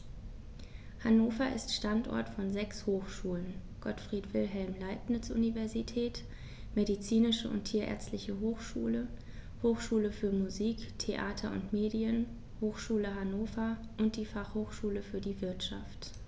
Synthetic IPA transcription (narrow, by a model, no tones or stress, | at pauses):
hanoːfɐʔɪ̰stʃtantʔɔ̰ɐtfɔnzɛkshoːxʃuːlən | ɡ̥ɔtfʁ̥iːtv̥ɪlɦɛlmlaɪp̚nɪt͡sʔṵnivɛɐzitʰɛːt | medit͡siːnɪʃəʔʊ̰ntʰiːɐʔɛ̰ɐt͡stlɪçəɦoːxʃṵːlə | hoːxʃuːləfyːɐmuziːktʰeʔaːtʰɐʔʊ̰ntmeːdiən | hoːxʃuːləɦanoːfɐ | ʔʊnt̚d̥iːfaχhoːxʃuːləfyːɐdiːvɪɐtʃa̰ft